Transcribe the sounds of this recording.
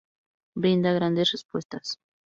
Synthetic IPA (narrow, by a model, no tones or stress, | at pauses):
bɾɪnd̪aɣɾand̪esrespwest̪as